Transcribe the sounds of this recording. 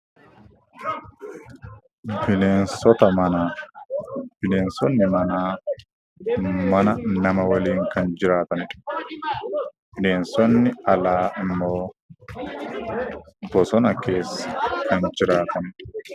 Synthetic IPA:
bɪleːnsɔt̪ɐmɐnaː | b̥ɪneːnsɔnːɪmɐnaː | mɐnɐnɐmɐwɐliːŋkɐnd͡ʒɪɾaːt̪ɐnɪᶑ | b̥ɪneːnsɔnːɪɐlaːʔɪmːo̞ː | bɔsɔnɐkʰe̞ːsːɐ̥kʰɐnd͡ʒɪɾaːt̪ɐnɪᶑ

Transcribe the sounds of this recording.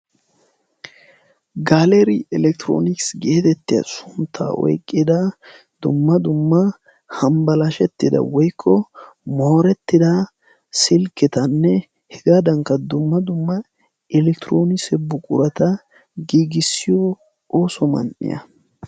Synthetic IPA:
ɡaːlɛɾɪɛlɛk̚t̪ɪɾo̰ːnɪksɡe̞ːt̪ɛt̪ːɪjɐ̰sʊnt̪ʰːa̰ːɔ̰jkʼːɪd̪ɐ | d̪̥ʊ̰mːɐd̪ʊmːɐ | hɐmbɐlɐʃɛt̪ːɪd̪ɐ̰wɔjkʰːɔ | moːɾɛt̪ːɪd̪ɐ | sɪlkːɪt̪ɐnːɛ | hɛɡaːd̪ɐŋkːɐd̪ʊmːɐd̪ʊmːɐ | ɪlɛkt̪ɪɾoːnɪsɛbʊkʼʊɾɐt̪ɐ | ɡiːɡɪsːɪjɔ | oːsɔmɐ̰nʔɪ̰jɐ̰

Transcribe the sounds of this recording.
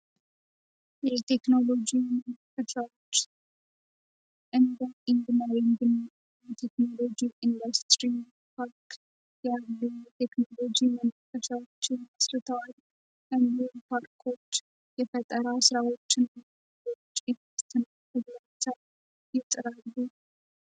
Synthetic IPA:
jɛt̪ʰe̞kno̞lod͡ʒimənfət̪ʰɾawot͡ʃː | ʔɨnd̪aɪŋɡ̪ɨnawiŋɡɨn | jɛt̪ʰekno̞lo̞d͡ʒiʔɪnd̪ast̪ɾi | pʰaɾk | jalːut̪ʰekno̞lod͡ʒimənfət̪ɾawot͡ʃːɪnasɾɨt̪ʰəwal | ʔɨnd̪ipʰaɾkʰo̞t͡ʃː | jɛfət̪ʼːəɾasɨɾawo̞t͡ʃːɪna | ot͡ʃːʼenst̪ʰɨn | ədmət͡ʃ̪ːa | jɪt̪ʼɨɾalːu

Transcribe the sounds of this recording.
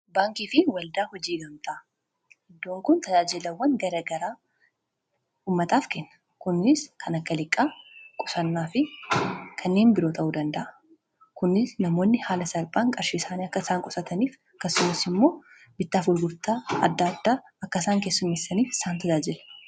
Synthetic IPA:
baːŋkiːfɪwɐld̪aːhɔd͡ʒiːɡɐmt̪ʰɐ | hɛd̪ːoːŋkʊnt̪ɐd͡ʒaːd͡ʒɪlɐwːɐnɡɐɾɐɡɐɾaː | uːmːɐt̪aːfkɛnːɐ̥ | kʊnːɪskʰɐnɐkːɐlɪkʼːaːkʼɔsɐnːaːfɪ | kʰɐnːe̞ːnbɪɾo̞ːt̪ʰɐʔuːd̪ɐnd̪ɐʔɐ | kʊnːɪsnɐmo̞ːnːɪhaːlɐsɐɾbaːŋkʼɐɾʃiːsaːniɐkːɐsaːŋkʼɔsɐt̪ʰɐniːf | kɐsːʊmɐsɪmːo̞ː | b̥ɪt̪ːaːfʊlɡʊɾt̪aːɐd̪ːaːd̪ːaː | ɐkːɐsaːŋke̞ːsːʊmːɛsːɐniːfsaːnt̪ɐd͡ʒaːd͡ʒɪlɐ̥

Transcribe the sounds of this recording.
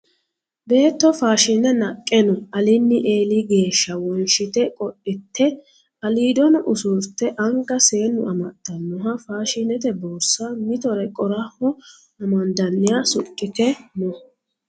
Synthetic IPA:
be̞ːt̪ːɔfaːʃɪnɛnɐkʼːɛnɔʔɐlɪnːɪʔe̞ːliɡe̞ːʃːɐwɔnʃɪt̪ɛkʼɔʔɪt̪ːɛ | ɐliːd̪ɔnʔʊsʊɾt̪ːɛʔɐŋɡɐse̞ːnːʊ̰ɐmɐt̪ːɐnːʊɦɐfaːʃɪnɛt̪ɛboːsːamɪt̪ɔɾɛkʼɔɾɐhɔ | ɐmɐnd̪ɐnːɪjasʊkʼːɪt̪ɛnɔ

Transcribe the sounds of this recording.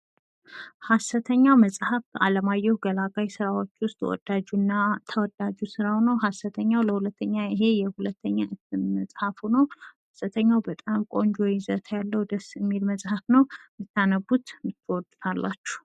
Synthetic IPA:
hasət̪ʰəɲːawməsʼhafa̰ləmajɛɡəlaɡajsɨɾawo̞t͡ʃːwʊst̪ʼwɔ̰d̪̥ad͡ʒunːat̪ʰəwɔd̪ad͡ʒusɨɾanəwɦasət̪ʰəɲːawləhulət̪ːəɲːaɪɦe̞jɛhulət̪ʰːəɲːaʔɨt̪ʰːɨnməsʼhafunəwhasət̪ʰəɲːawbət̪ʼamkʼo̞nd͡ʒojɪzət̪ʰjalːəwd̪əsːɨmːilməsʼhafnəwmɨt̪ʰːanəbut̪mɨt̪ʰːwɔd̪t̪ʰalːat͡ʃːu̥

